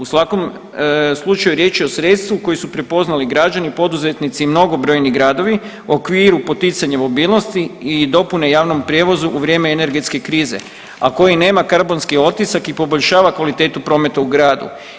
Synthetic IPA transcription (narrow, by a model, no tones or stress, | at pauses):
usʋako̞m | slˠut͡ʃajuɾje̞ːt͡ʃio̞sɾe̞t̪st̪ʋuko̞jesupɾe̞po̞znaliɡɾad͡ʒanipo̞d̪uze̞t̪nit̪simno̞ɡo̞bɾo̞ːjniɡɾaːd̪o̞ʋi | o̞kʋiːɾupo̞t̪it̪saɲamo̞biːlˠno̞st̪iːd̪o̞pune̞jaːʋno̞mpɾʲjeʋo̞zuʔuʋɾʲjemeene̞ɾɡe̞t̪ske̞kɾiːze̞̰ | ako̞jine̞ːmakaɾbo̞nskio̞t̪isakipo̞bo̞ʎʲʃaːʋakʋalit̪e̞ːt̪upɾo̞ːme̞t̪auɡɾaːd̪ṵ